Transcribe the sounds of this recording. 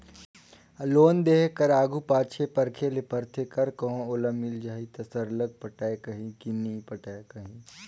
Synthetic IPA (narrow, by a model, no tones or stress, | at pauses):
loːnd̪eːkkɐɾaːɡupaːt͡ʃʰepɐɾkʰelepəɾt̪ʰekɐɾkɐɦõʊləmːɪld͡ʒaːit̪ɐsəɾləɡ̚pɐʈaːekɐɦĩkinipɐʈaːekɐɦĩː